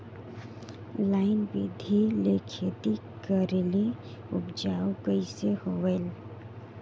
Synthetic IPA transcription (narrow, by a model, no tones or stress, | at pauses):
laɪnbḭd̪ʱilekʰet̪i | kəɾeli | ṵpd͡ʒaukəɪsehoʋel